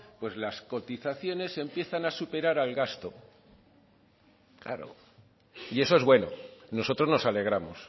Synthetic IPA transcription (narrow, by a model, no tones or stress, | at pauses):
pwe̞zlasko̞t̪iθaθjo̞ne̞se̞mpje̞θanasupe̞ɾaɾalɣast̪o̞ | kla̰ɾo̰ | ie̞soe̞zβwe̞no̞̰no̞so̞t̪ɾo̞zno̞sale̞ɣ̞ɾamos